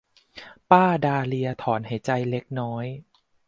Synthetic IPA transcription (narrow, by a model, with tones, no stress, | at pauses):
paː˥˩daː˧li˧ɐt̪ʰɔː˩˦nɦa˨˩jt͡ɕa˧jle˦˥k̚nɔː˦˥j